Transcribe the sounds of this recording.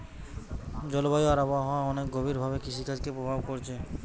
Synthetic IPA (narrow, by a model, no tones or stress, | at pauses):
d͡ʒɔlbajoaɾabaɦɔwãɔnekɡɔbʱiɾbʱabekisʰikad͡ʒkepɾobʱabkɔɾt͡ʃʰe